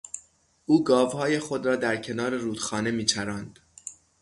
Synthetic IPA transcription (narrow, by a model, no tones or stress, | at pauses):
ʔuːɡɒːvhɒːje̞xod̪ɾɒːd̪æɾcʰe̞nɒːɾeɾuːd̪xɒːne̞miːt͡ʃʰæɾɒːnd̪̥